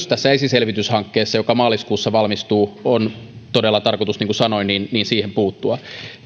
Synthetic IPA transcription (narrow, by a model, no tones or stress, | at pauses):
st̪æsːæesiselʋit̪yshɑŋkːeːsːɑjo̞kɑmɑːliskuːsːɑʋɑlmist̪uːont̪odelːɑt̪ɑrkot̪usniŋkusɑno̞inniːnniːnsiːhempuːt̪ːuɑ